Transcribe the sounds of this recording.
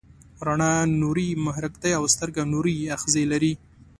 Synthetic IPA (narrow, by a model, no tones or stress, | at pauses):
ɾaɳɑnuɾimaɦɾɪkt̪ajawst̪əɾɡanuɾiaxzelaɾi